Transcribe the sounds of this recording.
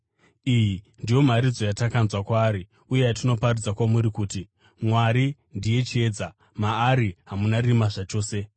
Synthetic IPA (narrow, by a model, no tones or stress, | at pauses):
iji | ndijo̞maɾid͡zo̞jatakanzwakwaːɾi | uje̞jatino̞parud͡zakwamuɾikuːti | mwaɾi | ndije̞t͡ʃe̞ːd͡za | maːɾiɦamunarimaʐat͡ʃo̞ːse̞